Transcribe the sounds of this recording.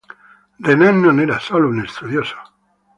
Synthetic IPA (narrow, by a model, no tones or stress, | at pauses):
d̪enanːõneɾasolounest̪uðjoso̥